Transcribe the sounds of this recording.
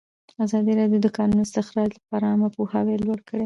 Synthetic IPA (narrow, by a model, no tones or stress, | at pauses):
azɑd̪iɾɑd̪jod̪əkɑnunoɪst̪ɪxɾɑd͡ʒlapɑɾaamapuhawelwaɽkəɽe